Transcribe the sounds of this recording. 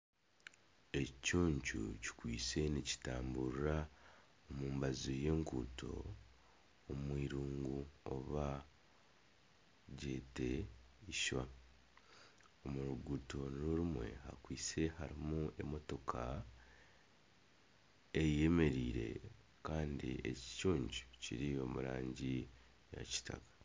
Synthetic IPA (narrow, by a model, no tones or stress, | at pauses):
e̞cuːɲcṵci̥kwiːt͡se̞nici̥taːmbuɾɾa | omuːmbazoje̞ːŋkṵːtʰo̞̰ | mwiːɾuːŋɡuoβa | ɟe̞te̞iʃwa | omuɾuɡuto̞nuɾumwe̞̰hakwiːt͡se̞haɾimue̞mo̞to̞kʰa | eje̞me̞ɾiːɾe̞̰ | kaːndḭeci̥cuːɲɟucḭɾio̞muɾa̰ːɲɟi | ja̰ci̥ta̰kḁ